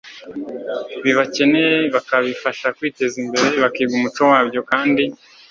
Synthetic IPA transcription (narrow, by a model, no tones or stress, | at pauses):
βiβace̞ne̞βakaβifaʃakwiːte̞zimbe̞ɾe̞βakiːɡumut͡ʃo̞waːbɟo̞kaːndi